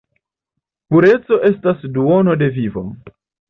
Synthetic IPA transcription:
puɾe̞t͡so̞ʔe̞stasduo̞no̞de̞vivo̰m

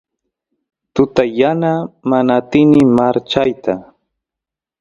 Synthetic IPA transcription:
t̪ʊt̪ajanamanat̪ɪnɪmaɾt͡ʃajt̪a

